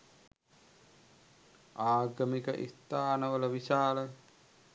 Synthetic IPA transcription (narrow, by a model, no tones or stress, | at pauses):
aːɡəmikə̰ʔḭst̪aːnəʋələʋiʃaːlə